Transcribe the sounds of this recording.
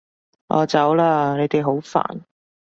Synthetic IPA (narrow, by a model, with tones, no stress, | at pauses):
ʔɔ̰ː˧t͡sɐ˨˥wlaː˧ne˨˧jt̪e˨jɦo˨˥wfa̰ː˨˩n